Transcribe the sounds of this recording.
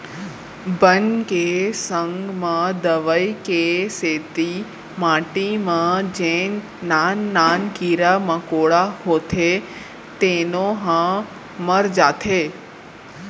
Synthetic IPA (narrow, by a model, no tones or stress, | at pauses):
bənkesəŋɡmãd̪əʋəikeset̪i | mãʈimãd͡ʒẽ | nanːankiɾamãkoɭaɦot̪ʰe | t̪enoɦã | məɾd͡ʒat̪ʰe